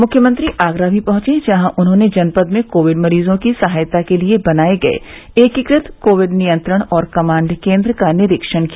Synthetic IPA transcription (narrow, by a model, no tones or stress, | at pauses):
mʊkʰjəmɐ̃nt̪ɾiʔaːɡɾabʱipɐɦʊ̃t͡ʃẽd͡ʒɐɦãʔʊnɦõned͡ʒɐnpəd̪mẽkoːʋɪɖmɐɾiːzõkisɐɦaːjt̪akeliebɐnaːeɡɐḛ | eːkɪkɾɪt̪koːʋɪɖnijə̃nt̪ɾəɽ̃ɔːɾkɐmãːɳɖkẽːnd̪ɾəkanɪɾɪkʃəɽ̃kia